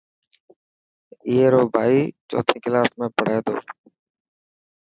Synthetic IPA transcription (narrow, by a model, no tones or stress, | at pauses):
iːeːɾoːbʱaːiːt͡ʃo̰ːt̪ʰiːkɪlaːsmẽːpəɽ̤eːd̪o̰ː